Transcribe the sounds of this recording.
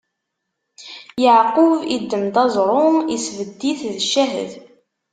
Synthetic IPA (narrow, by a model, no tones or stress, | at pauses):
jəʕqʊvid̪ːəmd̪ɑzˤɾˤʊisvəd̪ːiθðəʃːæɦə̰ð